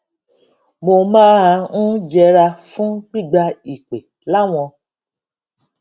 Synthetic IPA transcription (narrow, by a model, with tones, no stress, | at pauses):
mo˨mãː˦ã˧n̩˦d͡ʒɛ˧ɾa˧fũ˦k͡pi˦˨ɡ͡ba˧i˨k͡pe˨ | la˦w̃ɔ̃˧